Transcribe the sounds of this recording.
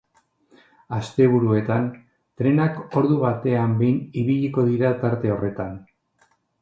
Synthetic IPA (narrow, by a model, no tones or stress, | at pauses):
ast̪e̞β̞uɾue̞t̪an | t̪ɾe̞nako̞ɾðuβat̪e̞ambe̞jniβiʎiko̞ðiɾat̪aɾt̪e̞o̞re̞t̪an